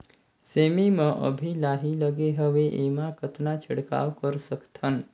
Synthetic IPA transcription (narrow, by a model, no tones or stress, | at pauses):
semimãʔə̰bʱilaɦiləɡeɦəʋeʔemãkət̪nat͡ʃʰəɽka̰ʋkəɾsəkt̪ʰən